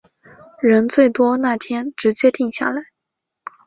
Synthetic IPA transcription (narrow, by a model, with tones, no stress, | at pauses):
ɻə˧˥nt͡swe˥˩ɪt̪wɔ˥na˥˩t̪ʰjɛ˥nʈ͡ʂɻ̩˧˥t͡ɕjɛ˥t̪i˥˧ŋɕja̰˥˩la˧˩˦ɪ